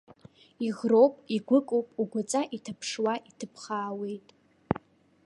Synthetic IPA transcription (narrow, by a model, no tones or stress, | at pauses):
iʁrowpʼiɡʷʊkʼowpʼuɡʷʊt͡sʼaʔitʰɨpʰʂwaʔitʰɨpʰχaːwejtʼ